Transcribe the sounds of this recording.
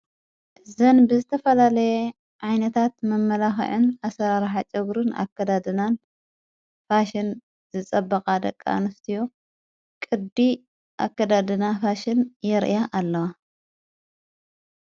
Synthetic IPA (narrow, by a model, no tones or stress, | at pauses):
ʔzɐnbɨzɨt̪ʰɐfɐlalɐje | ʕajnɐt̪ʰat̪mɐmːɐlaxʕɨnasɐɾaɾħat͡ʃʼɐɡɾɨna̰kːɐd̪ad̪ɨnan | faʃɪn | z̥ɨt͡sʼɐbːɐqʼad̪ɐkʼːa̰nɨft̪ʰijo | kʼɨd̪i | ʔa̰kːɐd̪ad̪ɨnafaʃɪnjɛɾʔjaʔːlːɐwa